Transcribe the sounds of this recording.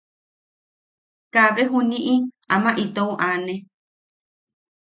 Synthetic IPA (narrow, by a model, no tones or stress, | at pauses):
kaβeɦunĩʔi | amãʔit̪ouʔanẽ